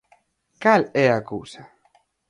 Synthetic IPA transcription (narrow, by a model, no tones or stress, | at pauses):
kalɛakuwsa